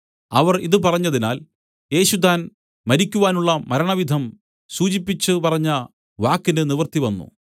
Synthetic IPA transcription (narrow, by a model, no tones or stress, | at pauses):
ɐʋɐriðɨpɐrɐɲːɐðinaːl | je̞ːɕut̪̬aːn | mɐɾikʲːuʋaːnuɭːɐmɐɾɐɳɐʋid̪ʱɐm | suːt͡ɕipːit͡ɕːɨpɐrɐɲːɐ | ʋaːkːinɨniʋɐrt̪iʋɐnːṵ